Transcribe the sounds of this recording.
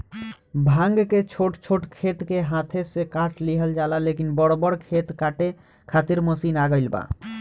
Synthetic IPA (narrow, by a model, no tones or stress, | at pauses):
bʱãŋɡket͡ʃʰoʈt͡ʃʰoʈkʰet̪keɦãt̪ʰesekaʈʰliɦəld͡ʒalalekinbəɽobəɾkʰet̪kaʈe | kʰat̪iɾməsinaɡəjlba̰